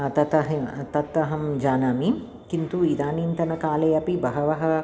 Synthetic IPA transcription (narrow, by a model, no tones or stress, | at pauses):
t̪ɐt̪ɐɦt̪ɐt̪ːɐɦɐmd͡ʒaːnaːmi | kint̪uid̪aːniːnt̪ɐnɐkaːlɐjɐpibɐɦɐʋɐɦɐ